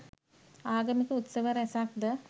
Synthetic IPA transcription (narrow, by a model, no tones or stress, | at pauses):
aːɡɐmikəut̪sɐʋəɾɛsak̚d̪ə